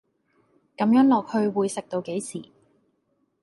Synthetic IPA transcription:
kɐ˨˥mjœː˨˥ŋlɔː˨k̚hɵ˧ɥwuː˨˧jsɪ˨k̚t̪o˧wke˨˥jsʰiː˨˩

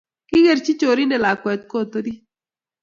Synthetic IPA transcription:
kɪ˦ɣɛ˨ɾt͡ʃi˦t͡ʃo˨ɾi˦nɛ˨la˨kwɛ˨t̪̚ko˦˨t̪o˦di˦

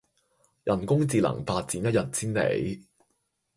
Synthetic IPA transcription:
jʔɐ˨˩nkʊ˥ŋt͡siː˨lɐ̰˨˩ŋfaː˧t̚t͡siː˨˥njɐ˥t̚jɐ˨t̚siː˥nlḛ˨˥j

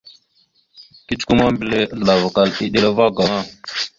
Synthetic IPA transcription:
ki˦t͡ʃku˦ma˦mbi˨le˦a˦ɮə˨la˨va˨ka˨li˦ɗe˦la˦va˦ɡa˨ŋa˦˨

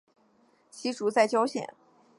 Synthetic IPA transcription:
t͡ɕʰi˧˥ʈ͡ʂu˧˥t͡sa˥˩ɪt͡ɕjɑ˥ʊɕjɛ̰˨˩˦n

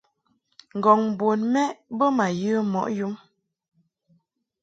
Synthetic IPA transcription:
ŋ˨ɡɔ˨ŋ˨bo˨nmɛ˦bə˦ma˨jɨ˦mɔ̰˨ʔju˦m

